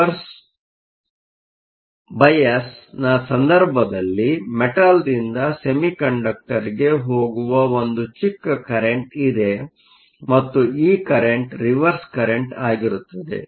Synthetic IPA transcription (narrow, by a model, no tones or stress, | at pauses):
ɾs | bɐjɐsnaːsɐnd̪ɐɾbʱɐd̪ɐlːimeʈald̪ind̪ɐse̞mikɐɳɖɐk̚ʈɐɾiɡe̞ɦo̞ːɡuʋɐond̪ut͡ʃikːɐkɐɾeɳʈid̪e̞ | mɐt̪ːuiːkɐɾeɳʈɾiʋɐɾskɐɾeɳʈaːɡiɾut̪ːɐd̪e̞̰